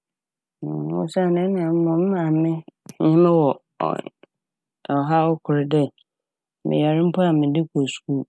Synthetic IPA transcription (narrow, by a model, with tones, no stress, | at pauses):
ʊ̰˦sa˦˨nɪ̃˦n˦˨ã˨m̩˦mʊ̃˨m̩˦mã˨mɪ̃˦ɲɪ̃˦mɪ̃˦wɔ̰˨ | ɔ˨ɦa˦ɔ˦kʰʊ˨ɾɪ˨dɛ˦˨ | mʔɪ̰̃˨jɛ˨ɾɪ̃˦m̩˦pʰʊ˦a˨mɪ̃˨dɪ˦kʰo˨su̥˨ku˦